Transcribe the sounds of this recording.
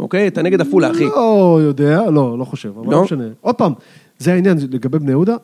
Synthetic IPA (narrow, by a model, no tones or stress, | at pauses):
ʔo̰kejat̪aneɡed̪afulaːχiojod̪ealo̞lo̞χoʃevavalomʃaneʔod̪̚paːm | zeainjanleɡabe̞jbneud̪a